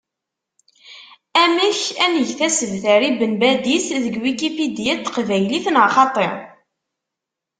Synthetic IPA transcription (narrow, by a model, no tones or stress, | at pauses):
æməçænəʝθæsəvθəɾibənbæd̪isðəɡwikipid̪ijæt̪ːqvæjliθənʁaχɑt̪ˤḛɾ